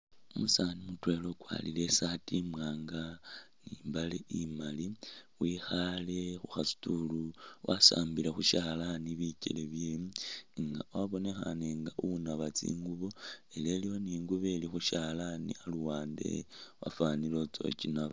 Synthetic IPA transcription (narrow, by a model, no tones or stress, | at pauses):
umusanimutwe̞lo̞kwa̰lile̞satimwaːŋɡaniːmbaleʔimaliwixale̞xuxasu̥tuluwʔasa̰ːmbilexuʃaːlaniβicḛleβjemŋɡawaβo̞ne̞xa̰neŋɡaʔuunaβat͡sḭːŋɡuβo̞ele̞lijoniːŋɡuβe̞lixuʃalanḭaluwaːnde̞̰wa̰fanilo̞t͡so̞̰cinaβ